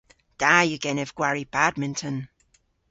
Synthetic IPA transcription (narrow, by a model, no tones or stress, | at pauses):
d̥aːjɨɡɛnɛvɡ̥waɹib̥admɪ̃ntʰə̃n